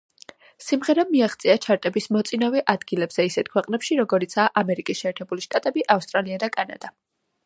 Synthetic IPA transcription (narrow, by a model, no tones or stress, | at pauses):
simʁɛɾamiaχt̪sʼiat͡ʃʰaɾt̪ʼɛbismɔt̪sʼinavɛʔad̪ɡilɛbz̥ɛisɛt̪kʰwɛqʼnɛpʃiɾɔɡɔɾit̪sʰaːʔamɛɾikʼisʃɛːɾt̪ʰɛbuliʃt̪ʼat̪ʼɛbiʔafst̪ʼɾaliad̪akʼana̰d̪̥a